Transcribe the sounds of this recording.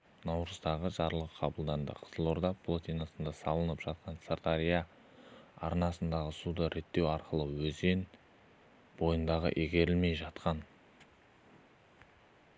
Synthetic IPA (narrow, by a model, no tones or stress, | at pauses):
nɑwɾəzd̪ɑʁəʒɑɾlˠəqqʰɑbəlˠd̪ɑnd̪ə̰qʰə̥zəlˠo̞ɾd̪ɑpʰlˠot̪ijnasənd̪ɑsɑlˠənəpʒ̥ɑt̪̚qɑnsart̪aɾija | ɑɾnɑsənd̪ɑʁəsud̪əɾe̞t̪ːe̞wɑɾqəlˠəwɵze̞n | bo̞jənd̪ɑʁə̰ʔeɡʲe̞ɾɪlme̞jʒɑt̪qɑn